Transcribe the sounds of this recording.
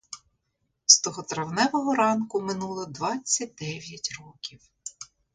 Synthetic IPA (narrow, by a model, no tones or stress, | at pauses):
st̪ɔɦɔt̪ɾɐwnɛʋɔɦɔɾɑnkʊmɪnulˠɔd̪ʋɑt͡sʲːɐt̚ʲd̪ɛʋʲjɐtʲrɔkʲiw